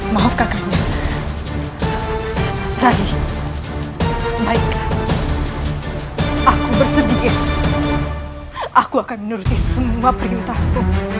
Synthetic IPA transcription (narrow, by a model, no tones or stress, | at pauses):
maɦɔfkaka | raɦi | baɪk | akubərsədikɪt̪̚ | ʔakuakanmənuɾut̪isəmuapəɾiut̪asku